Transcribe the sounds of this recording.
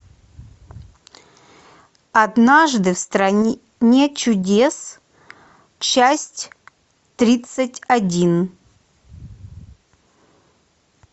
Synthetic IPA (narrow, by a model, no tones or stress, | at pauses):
ɐd̪naʐd̪ɨfst̪ɾɐ | nʲet͡ɕʊdʲes | t͡ɕasʲtʲ | t̪ɾʲit̪sɨtʲɐdʲin